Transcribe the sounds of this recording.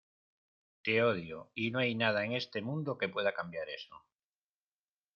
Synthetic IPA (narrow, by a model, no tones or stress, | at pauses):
t̪eoðjoinoajnað̞aeŋe̞st̪e̞mũnd̪oke̞pwe̞ðakambjaɾe̞so